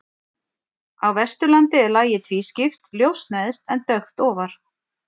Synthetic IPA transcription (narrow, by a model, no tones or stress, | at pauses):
awvɛst̪ʏlant̪ɪɛɾlaːjɪt̪ʰviːscɪft̪ljowst̪najðɪst̪ɛnt̪œɥxt̪ɔːvaɾ̥